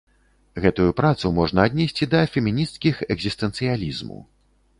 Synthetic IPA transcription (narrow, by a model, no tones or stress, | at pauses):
ɣɛt̪ujupɾat̪sumɔʐnɐːd̪ʲnʲɛsʲt͡sʲid̪ɐfʲɛmʲinʲist̪kʲixɛɡzʲist̪ɛnt̪sɨjalʲizmṵ